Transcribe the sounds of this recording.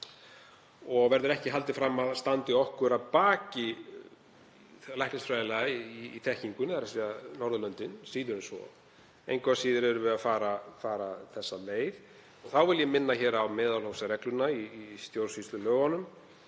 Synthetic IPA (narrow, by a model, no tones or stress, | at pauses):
ɔɣvɛɾðʏɾɛhcɪɦalt̪ɪfɾamːaðst̪ant̪ɪɔhkʏɾaðpaːcɪ | lajhklɪstfɾajðɪlɛɣaiːt̪ʰɛhciŋkʏnaɾasvianɔɾðʏlœnt̪ɪnsiːðʏɾɪnsvɔ̰ | ejŋkʰvasiːðɪɾɛɾʏvɪafaːɾafaːɾaθɛsːaleːjð | ɔɣθawvɪljɛmɪnːaçɛːɾawmɛːðalhowsarɛklʏnaiːst̪jowɾ̥svist̪lʏlœːɣanʏm